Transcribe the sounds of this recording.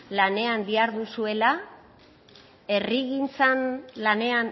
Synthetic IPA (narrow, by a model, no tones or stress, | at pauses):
lane̞and̪iaɾðusue̞la | e̞riɣint͡sanlane̞an